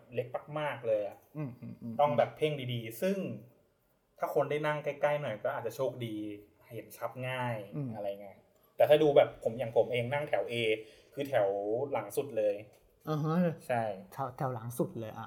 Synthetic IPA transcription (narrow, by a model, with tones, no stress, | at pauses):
le˦˥k̚pa˧˩k̚maː˥˩k̚lɤː˧jʔa˨˩ʔt̪ɔ˥˩ŋbɛː˨˩pʰːe˥˩ŋdiː˧diː˧sɯ˥˩ŋ | t̪ʰaː˥˩kʰo˧ndaː˥˩jna˥˩ŋka˥˩jka˥˩jnɔ˨˩jkɔː˥˩ʔaː˨˩t͡ɕa˨˩t͡ɕʰoː˥˩k̚diː˧ | he˩˦nt͡ɕʰa˦˥p̚ŋaː˥˩jʔa˧ɾa˧jŋa˦˧˩ | t̪ɛː˨˩t̪ʰaː˥˩duː˧bɛː˨˩pʰːo˩˦mja˨˩ŋpʰo˩˦mʔeː˧ŋna˥˩ŋt̪ʰɛ˩˦wʔeː˧ | kʰɯː˧t̪ʰɛ˩˦wla˩˦ŋsu˨˩t̪̚lɤː˧j | ʔɤː˧˩ɦɤ˦˥˧t͡ɕʰa˥˩jt̪ʰa˧˩˦t̪ʰɛ˩˦wla˩˦ŋsu˨˩t̪̚lɤː˧jʔa̰˨˩